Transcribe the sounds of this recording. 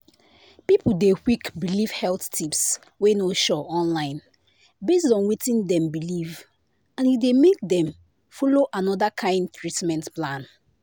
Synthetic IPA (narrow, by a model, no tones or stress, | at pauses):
pipl̩dewikbiliv̥hɛlθtʰips | wenoʃɔɔ̃nlãɪ̃n | bes̬dɔ̃nwitĩndɛ̃mbiliv | ãnjudemek̚dɛ̃m | fɔloʔanɔdakʰãɪ̃nd̚tɹitmɛ̃ntplãn